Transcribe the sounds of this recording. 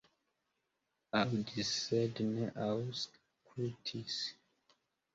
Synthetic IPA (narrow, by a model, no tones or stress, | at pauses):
awdisɛdnɛʔaws | kʰɹitʰis